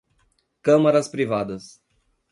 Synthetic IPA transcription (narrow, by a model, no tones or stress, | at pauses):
kɐ̃mɐɾɐspɾivad̪ɐs